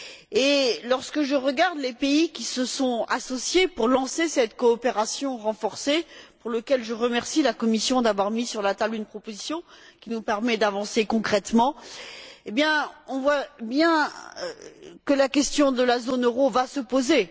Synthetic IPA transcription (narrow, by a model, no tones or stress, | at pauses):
elɔʁskəʒəʁəɡaʁd̪lepeikʲisəsɔ̃asɔsjepuʁlɑ̃sesɛt̪kɔːpeʁasjɔ̃ʁɑ̃fɔʁsepuʁləkʲɛlʒəʁəmɛʁsilakɔmisjɔ̃d̪avwaʁmisyʁlat̪ablynpχɔpozisjɔ̃kʲinupɛʁmɛd̪avɑ̃sekɔ̃kχɛt̪mɑ̃ | ebjɛ̃ɔ̃vwabjɛ̰̃ | kəlakʲɛst̪jɔ̃d̪əlazonøʁovasəpoze